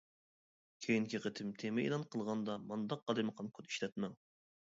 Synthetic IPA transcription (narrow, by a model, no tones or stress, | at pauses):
kʲʰejiŋkʲiqət̪ʰɪmt̪ʰemɪḭlˠɑnqʰəlˠʁɑnd̪ɑmɑnd̪ɑq̚qɑlˠɨməqʰɑnkʰot̪i̥ʃlɛt̪̚mɛŋ